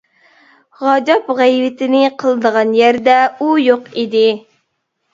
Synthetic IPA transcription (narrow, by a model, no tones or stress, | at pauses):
ʁɑd͡ʒɑpʁæjvɪt̪ʰɪnɪqʰəlˠɨd̪əʁɑnjæɾd̪ɛujoqid̪ɪ